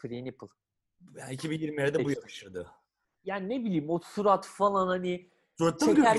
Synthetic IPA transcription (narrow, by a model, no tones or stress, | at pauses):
pʰɾiniplˠ | jaːnicʰibinjiɾmijeɾɛd̪ɛbujakɯʃɯɾd̪ɯ | jaːnine̞bilʲiːmosuɾat̪falˠanhanɪ | soɾt̪t͡ʃ̪ːaeɡøæɾ